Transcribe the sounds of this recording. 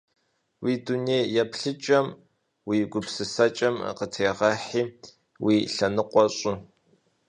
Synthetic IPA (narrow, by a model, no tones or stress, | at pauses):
wiːdunejjɛpɬɨt͡ʃʼɐm | wiːɡʷʊpsɨsɐt͡ʃʼɐmə̰qətʰeːʁɐħiː | wiːɬɐnɨqʷʼɔɕʼʊ